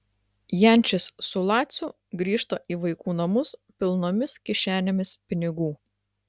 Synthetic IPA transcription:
jɛˑnʲt͡ʃʲɪsːʊlˠɑːt̪sʲʊ | ɡɾʲiːʃt̪oʔiːʋɐɪkuːnɐmʊspʲɪlˠnoːmʲɪskʲɪʃʲæːnʲɪmʲɪspʲɪnʲɪɡuː

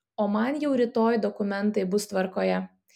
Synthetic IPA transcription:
oːmɐnjɛʊɾʲɪt̪oːjd̪ɔkʊmʲɛnt̪ɐɪbʊst̪ʋɐɾkoːjɛ

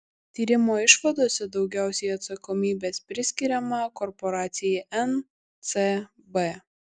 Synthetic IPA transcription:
t̪ʲiːɾʲɪmoːɪʃʋɐd̪oːsʲɛd̪ɒʊɡʲæˑʊsʲɛɪɐt̪sɐkɔmʲiːbʲeːspʲɾʲɪsʲkʲɪɾʲɛmɐkɔɾpɔɾɑːt̪sʲɪjɛʔɛn | t̪se | bɛ

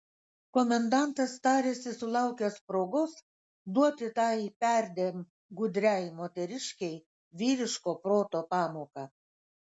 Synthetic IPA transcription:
komʲɛnd̪ɑnt̪ɐst̪ɑːɾʲeːsʲɪsʊlˠɑʊkʲɛspɾoːɡos | d̪uɔt̪ʲɪt̪ɑːipʲæɾʲd̪ʲem | ɡʊd̪ʲɾʲæjmoːt̪ʲɛɾʲɪʃʲkʲɛɪ | ʋʲiːɾʲɪʃkoːpɾoːt̪oːpɑːmoːkɑ

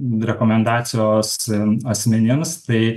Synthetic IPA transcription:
ɾʲɛkoːmʲɛnd̪ɑːsʲɪjoːsɐsʲmʲɛnʲɪmst̪ɐɪ

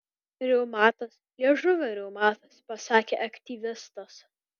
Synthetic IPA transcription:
ɾʲɛʊmɑːt̪ɐslʲiɛʒʊʋʲɛɾʲɛʊmɑːt̪ɐspɐsɑːkʲḛːʔɐkt̪ʲiːʋʲɪst̪ɐs

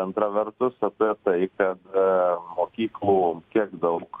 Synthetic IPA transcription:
ɐnt̪ɾɐʋʲɛɾt̪ʊsɐt̪ɛt̪ɐɪkɐt̪moːkʲiːklˠuːkʲiɛkd̪ɐʊk

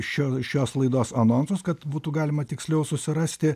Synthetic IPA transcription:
ʃʲːʃʲoːslˠɐɪd̪oːsɐnoːnsʊskɐt̪buːt̪uːɡɑːlʲɪmɐt̪ʲɪksʲlʲɛʊsʊsʲɪɾɑːsʲt̪ʲɪ

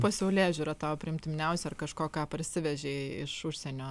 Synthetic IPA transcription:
pɐsʲɛʊlʲæːʒʲuɾɐt̪ɑːopʲɾʲɪmʲt̪ʲɪmʲɪnʲɛʊsʲɛɐrkɐʃkoːkɑːpɐrʲsʲɪʋʲɛʒʲeːɪ̰ʃʊʃʲsʲɛːnʲoː

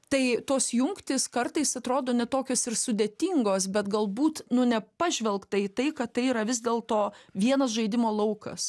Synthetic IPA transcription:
t̪ɐɪt̪oːsjʊŋkt̪ʲɪskɐrt̪ɐɪsɐt̪ɾoːd̪oːnʲɛt̪oːkʲoːsɪɾsʊd̪ʲeːt̪ʲɪŋɡoːsbʲɛt̪ɡɐlˠbuːt̪nʊnʲɛpɐʒʲʋʲɛlˠkt̪ɐit̪ɐɪkɐttɐɪiːɾɐʋʲɪzʲd̪ʲeːlˠt̪oːʋʲiɛnɐs̬ʒɐɪd̪ʲɪmoːlˠɐʊkɐ̰s

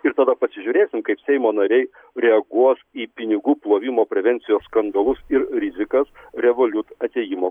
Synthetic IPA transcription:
ɪɾt̪ɐd̪ɐpɐsʲɪʒʲuːɾʲeːsʲɪmkɐɪpsʲɛɪmoːnɐɾʲɛɪ | ɾʲɛɐɡuɔsiːpʲɪnʲɪɡuːplˠoːʋʲɪmoːpʲɾʲɛʋʲɛnʲtsʲɪjoːsskɐnd̪ɐlˠʊsɪɾɾʲɪzʲɪkɐsɾʲɛʋoːlʲʊt̪ɐt̪ʲeːjɪmoː

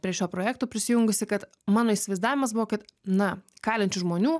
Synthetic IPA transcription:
pʲɾʲiɛʃʲoːpɾoːjæːkt̪oːpʲɾʲɪsʲɪjʊŋɡʊsʲɪkɐt̪ | mɑːnoːisʲɪʋɐɪzd̪ɑːʋʲɪmɐsbʊʋoːkʲɪt̪nɐkɑːlʲɛnʲt͡ʃʲʊʒmoːnʲuː

